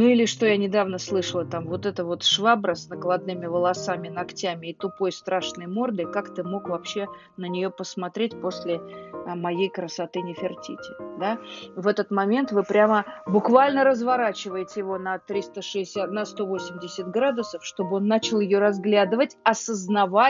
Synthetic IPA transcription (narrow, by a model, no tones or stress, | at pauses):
nuilʲɪʂt̪o̞janʲɪd̪avnəslˠɨʂəlˠət̪amvo̞t̪ɛt̪əvo̞t̪ʂvabɾəsnəɡlˠɐd̪̚nɨmʲɪvəlˠɐsamʲɪnɐktʲæmʲɪːt̪ʊpo̞jst̪ɾaʂnəjmo̞rd̪ɨkakt̪ɨmo̞kvɐpɕːe̞ | nənʲɪjopəsmɐt̪ɾʲet̚ʲpo̞sʲlʲɪəmɐjejkɾəsɐt̪ɨnʲɪfʲɪrtʲḭtʲɪd̪avɛt̪ət̪mɐmʲe̞nt̪vɨpɾʲaməbʊkvalʲnəɾəzvɐɾat͡ɕɪvəjɪtʲɪjɪvo̞nɐt̪ɾʲist̪əʂɨːsʲatnəst̪o̞vo̞sʲɪmʲdʲɪsʲɪt̪̚ɡɾad̪ʊsəfʂt̪o̞bɨo̞nːat͡ɕɪlˠjɪjo̞ɾɐzɡlʲad̪ɨvətʲɐsəznɐva